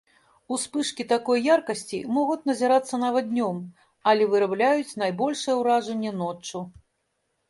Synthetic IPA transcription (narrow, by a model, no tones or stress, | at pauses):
uspɨʂkʲit̪akɔjːarkɐsʲt͡sʲḭmɔɣut͡sʲnɐzʲaɾat̪sːɐnavɐd̪d̪ʲnʲɔm | ɐlʲɛvɨɾablʲajut͡sʲnajbɔlʲʂɨjɛwɾaʐɐnʲːɛnɔt͡ʂːu